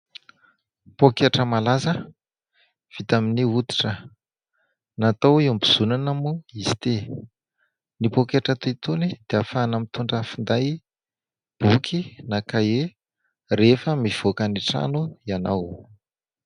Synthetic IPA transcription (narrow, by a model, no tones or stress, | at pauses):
pokeʈ͡ʂəmalazə | v̥it̪aminiut̪i̥ʈ͡ʂə | nat̪owiumbiz̥unanamuizi̥t̪e | nipokeʈ͡ʂat̪uit̪unid̪̥eafanəmit̪uɳɖ͡ʐəfind̪aj | b̥ukʰinakaje | refəmiv̥okaniʈ͡ʂa̰nuianaw